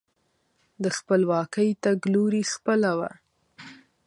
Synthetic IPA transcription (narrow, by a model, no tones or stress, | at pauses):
d̪əxpəlwɑkəjt̪aɡluɾixpəlawa̰